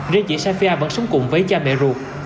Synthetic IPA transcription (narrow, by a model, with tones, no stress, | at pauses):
ze˧t͡ɕḭ˧˨saː˧fi˧ʔaː˧və̰˧˥nsə˨˦wŋ͡mkʊ˨˧˩ŋ͡mvəː˨˦jt͡ɕaː˧mɛ̰˧˨zu˨˩k̚